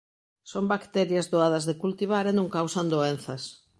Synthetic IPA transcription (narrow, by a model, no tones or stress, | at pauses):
sombakt̪ɛɾjɐzðoað̞ɐzðekult̪iβ̞aɾenũŋkawsɐnd̪oen̟θɐs